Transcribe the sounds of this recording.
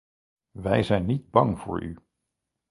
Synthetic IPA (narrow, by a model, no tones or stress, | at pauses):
ʋɛjzɛjnːid̚bɑŋvʊ̰ːɹy̰